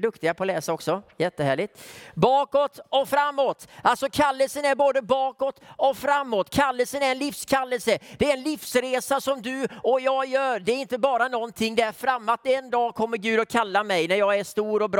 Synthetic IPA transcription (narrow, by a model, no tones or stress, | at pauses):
d̪ɵkt̪ɪɡapʰɔlɛːsaɔksɔjɛt̪ːəhæ̰ːɭɪt̪bɑːkɔt̪ɔfɾamːoːt̪alsɔkʰalːəlsənæɾboːd̪əbɑːkɔt̪ɔfɾamːot̪ːkʰalːəlsənæɾɛnlɪfskʰalːəlsəd̪̥ɛæɾɛnlɪfsɾeːsasɔmd̪ɵɔjɑːɡjœːɖ̪ɛæɾɪnt̪əbɑːɾanɔnt̪ʰɪŋːd̪ɛæɾfɾamːat̪̚ɛnd̪ɑːkʰɔmːəɾɡʉ̟ːd̪ɔkʰalːamɛjnæɾjɑːɡæʂt̪uːɾɔbɾ